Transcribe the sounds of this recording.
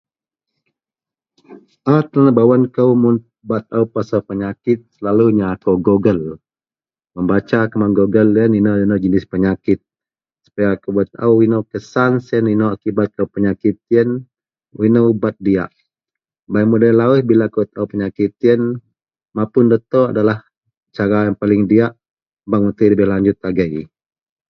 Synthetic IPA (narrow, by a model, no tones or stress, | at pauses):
ʔat̪ənabawankəwmun | bat̪̚aupasapəɲakɪt̪̚səlaluɲakowɡoɡəl | məmbat͡ʃakəmanɡoɡəljəninəwdənəwd͡ʒənɪspəɲakɪt̪̚ | su̥pajakəbat̪̚a̰uwinəwkəsansəninoakibat̪̚kawpəɲakit̪̚jən | winəwbat̪̚dia̰ʔ | baikmudəlawəhbilakubət̪̚auwpəɲakit̪̚jən | mapʊndət̪oa̰dalah | t͡ʃaɾajaŋpalɪŋdiaʔ | baŋut̪əjləbɪhlaɲd͡ʒʊt̪̚laɡəj